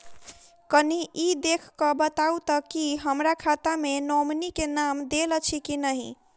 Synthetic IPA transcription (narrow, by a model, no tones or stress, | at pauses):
kəniʔid̪ekʰkəbət̪aut̪əkiɦəmɾakʰat̪amenomnikenamd̪elət͡ʃʰikinəɦḭ̃